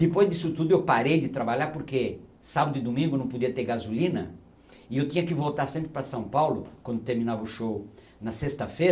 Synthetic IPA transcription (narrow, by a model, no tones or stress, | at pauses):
d̪ɪpojzd̪isʊt̪ud̪ʊewpaɾejd̪ɪt̪ɾabaʎaɾpoɾkesabɐd̪ʊɪd̪omĩŋɡʊnɐ̃w̃pod̪iɐt̪eɾɡazulĩnɐ̰ | ɪewt̪ĩɲɐkɪvowt̪aɾsẽmpɾɪpɾɐsɐ̃w̃pawlʊkwɐ̃nd̪ʊt̪eɾmĩnavɐʊʃow | nɐsest̪ɐfe